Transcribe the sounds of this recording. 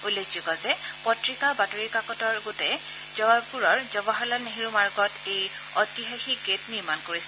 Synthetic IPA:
ulːekʰzuɡɔzɛ | pɔtɹikabatoɹikakɔtɔɹɡotɛ | zɔapuɹɔɹzɔbaɦɔlaneɦiɹumaɹɡɔtej | ɔtiɦaxiɡetniɹmankoɹisɛ

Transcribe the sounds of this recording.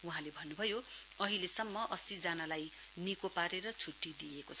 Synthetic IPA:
uɦãlebʱʌnːubʱʌjo | ʌɦilesʌmːʌʔʌsid͡zanalaj | nikopaɾeɾʌt͡sʰuʈːid̪ijekot͡sʰʌ

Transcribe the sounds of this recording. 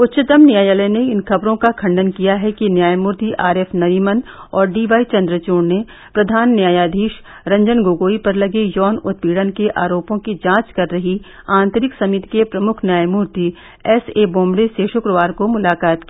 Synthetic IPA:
ʊt̪ːʃɪt̪əmnjaːjaːləjneɪnxɐbɾõkakʰɐ̃ɳɖənkijaɦɛkinjaːjmuːɾt̪iʔaːɾɛːfnɐɾiːmənɔːɾɖiːʋaːit͡ʃɐ̃nd̪ɾət͡ʃoːnne | pɾɐd̪ʱaːnːjaːjaːd̪ʱiːʃ | ɾɐ̃ɲd͡ʒənɡoːɡoːipɐɾlɐɡejɔːnʊt̪̚piːɽənkeʔa̰ːɾoːpõkid͡ʒãːt͡ʃkɐɾːɐɦi | ãːnt̪əɾɪksɐmɪt̪kepɾɐmʊkʰnjaːjmuːɾt̪i | ɛseːbõːmbɽeseʃʊkɾəʋaːɾkomʊlaːkaːt̪ki

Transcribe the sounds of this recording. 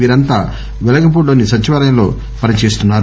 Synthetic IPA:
iːɾɐnt̪aː | ʋɛlɐɡɐp̬oːɽoːnisɐt͡ʃːiʋaːɾɐjɐmlo̞̰ː | pɐnɐt͡ʃe̞ːst̪unːaːɾu

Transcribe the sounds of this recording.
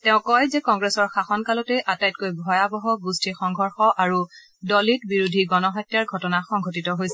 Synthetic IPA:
tɛʊ̃kɔjzɛkɔŋɡɹɛsɔɹxaxɔnkalɔtɛʔatajt̚kojbʱɔjabɔɦɔɡustixɔŋɡʱɔɹxɔʔaɹu | dɔlitbiɹudʱiɡɔnɔxɔtːjaɹɡʱɔtɔnaxɔŋɡʱotitɔɦojsɛ

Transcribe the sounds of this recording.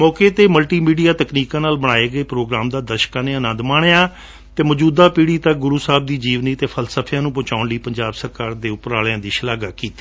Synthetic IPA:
mɔːkeːt̪eːməlʈiːmiːɖijaːt̪əkniːkãːnaːlbəɽ̃aːeːɡəeːpɾoːɡɾaːmd̪aːd̪əɾʃkãːneːənə̃nd̪maːɳejaː | t̪eːməd͡ʒuːd̪aːpiːɽiːt̪ək̚ɡʊɾuːsaːb̚d̪iːd͡ʒiːʋniːt̪eːpʰəlsəpʰjãːnũːpʊt͡ʃaːʊnləiːpəɲd͡ʒaːbsəɾkaːɾd̪eːʊpɾaːljãːd̪iːʃəlaːɡaːkiːt̪i̥ː

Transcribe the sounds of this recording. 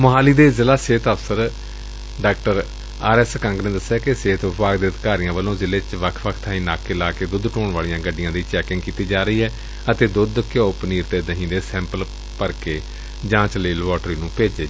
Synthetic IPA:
məɦaːliːd̪eːzɪlaːseːt̪əpsəɾ | ɖaːk̚ʈəɾ | aːɾɛːskə̃ŋɡnẽːd̪əsːjaːkeseːt̪ʋɪbaːɡd̪eːəd̪kaːɾijãːʋəlõːzɪleːt͡ʃʋəkʰʋəkʰt̪ʰãĩːnaːkɪlaːkeːd̪ʊd̪ʈoːɳʋaːlijãːɡəɖːɪjãːd̪iːt͡ʃɛːkɪ̃ŋɡkiːt̪iːd͡ʒaːɾəiːɦɛː | ət̪eːd̪ʊd̪kɪoːpniːɾt̪eːd̪əɦĩːd̪eːsɛ̃ːmpəl | pəɾkeː | d͡ʒãːt͡ʃləːlʋɔːʈɾiːnũːpeːd͡ʒeː

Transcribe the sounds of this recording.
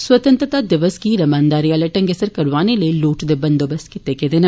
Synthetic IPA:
swət̪ə̃nt̪ɾət̪aːd̪ɪʋəskiːɾɐmaːnd̪aːɾijaːleʈɐ̃ŋɡesəɾkɐɾʋaːneləiluːʈd̪eːbɐnd̪oːbəskɪt̪ekẽːd̪eːnɐ

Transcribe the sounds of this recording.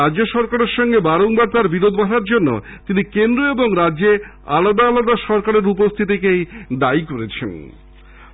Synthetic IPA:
aoʃɔɾkaɾeɾʃɔŋɡebaɾoŋbaɾt̪aɾbiɾod̪ʱbaʈaɾd͡ʑonːo̰ | t̪inikend̪ɾoeboŋɾadːʑe | alad̪aːlad̪aʃɔɾkaɾeɾupost̪ʰit̪̬ikejd̪ajkoɾet͡ɕʰḛn

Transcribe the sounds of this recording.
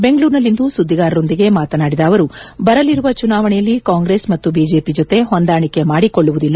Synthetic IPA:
be̞ŋɡɐɭuːɾnɐlːind̪usud̪ʱːiɡaːɾɐɾo̞nd̪iɡe̞maːt̪ɐnaːɽid̪ɐːʋɐɾubɐɾɐliɾuʋɐt͡ʃunaːʋɐɳɛjɐlːikaːŋɡɾe̞ːsmɐt̪ːubiːd͡ʒe̞ːpid͡ʒot̪e̞ɦond̪aːɳikːe̞maːɽikoɭːuʋud̪ilːɐ

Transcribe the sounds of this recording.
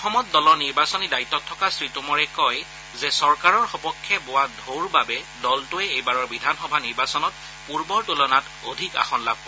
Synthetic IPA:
ɔxɔmɔt̚dɔlɔɹniɹbasɔnidaitːɔtʰːɔkasɹitumɔɹɛkɔj | zɛsɔɹkaɹɔɹxɔpɔkʰːjɛbowadʱoɹbabɛ | dɔltʊɛejbaɹɔɹbidʱanxɔbʱaniɹbasɔnɔt | puɹbɔɹtulɔnat | odʱika̰xɔnlab̚

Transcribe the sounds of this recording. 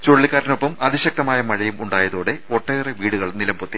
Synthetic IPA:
t͡ɕoɻɭːikːaːɾɐnopːɐmɐðiɕɐk̚t̪ɐmaːjɐmɐɻɐjumuɳɖaːjɐðoːɽe̞oʈːejreʋiːɽuɣɐɭnilɐmbot̪ːi

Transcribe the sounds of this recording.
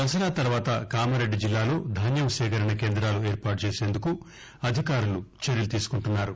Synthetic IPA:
ɐs̬ɐɾaːt̪ɐɾuʋaːt̪ɐkaːmɐɾe̞ɖːid͡ʒilːaːlo̞ːd̪ʱaːnjɐmʃɛːkɐɾɐɳɐkeːnd̪ɾaːlueːɾpaːʈt͡ʃeːseːnd̪uku | ɐd̪ʱikaːɾulut͡ʃɐɾjɐlut̪iːsu̥kuɳʈunːaːɾu

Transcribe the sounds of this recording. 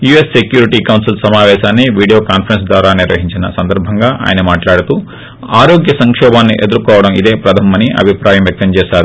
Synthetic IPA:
jue̞ssekjuːɾiʈiːkɐwnsilsɐmaːʋɛːʃaːnːiʋiːɽijoːkaːnpʰɐɾens̬d̪wʋaːɾaːniɾʋɐ̰ɦiɲt͡ʃinɐsɐnd̪ɐɾbʱɐŋɡaːʔa̰ːjɐnɐmaːʈlaːɽut̪uː | aːɾo̞ːɡjɐsɐŋkʂɔːbaːnːiʔe̞d̪uɾkɔːʋɐɽɐmid̪e̞ːpɾɐd̪ʰʱɐmɐniɐ̰bʱipɾaːjɐmʋjɐk̚t̪ɐmt͡ʃɛːʃaːɾu

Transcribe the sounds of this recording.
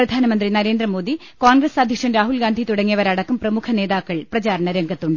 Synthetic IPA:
prɐd̪ʱaːnɐmɐnd̪rinɐɾe̞ːnd̪rɐmo̞ːd̪i | koːnɡrɐsaːd̪ʱjɐkʂɐmɾaːɦulɡaːnd̪ʱit̪uɽɐŋːijɐʋɐɾɐɽɐkːumprɐmukʰɐne̞ːðaːkːɐɭprɐt͡ɕaːɾɐɳɐɾeŋɡʱɐt̪ːuɳɖɨ

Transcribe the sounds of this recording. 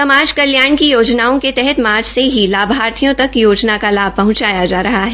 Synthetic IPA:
sɐmaːd͡ʒkɐljaːɳkijoːd͡ʒnaːõket̪ɛɦɛt̪maːɾd͡ʒseɦilaːbʱaːɾt̪ʰijõt̪ɐkjoːd͡ʒnakalaːbpɐɦʊ̃t͡ʃaːjad͡ʒaːɾɐɦaɦɛː

